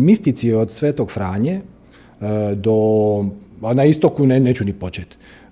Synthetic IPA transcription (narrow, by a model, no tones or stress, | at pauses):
mist̪it̪siod̪sʋet̪oɡfɾaːɲe | d̪o | naist̪okuneneːt͡ɕunipo̞t͡ɕet̪